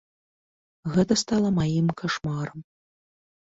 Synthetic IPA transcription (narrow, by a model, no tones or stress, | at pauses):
ɣɛt̪ɐst̪alˠɐmajimkaʂmaɾɐm